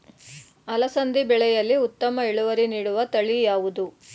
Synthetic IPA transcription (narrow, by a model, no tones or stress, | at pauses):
ɐlɐsɐnd̪ibɛɭɛjɐlːiut̪ːɐmɐiɭuʋɐɾiniːɽuʋɐt̪ɐɭijaːʋud̪u